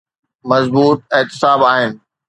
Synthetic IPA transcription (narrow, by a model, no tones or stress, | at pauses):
mɐzbuːt̪̚et̪ɪsaːbaːɦɪnɪ̆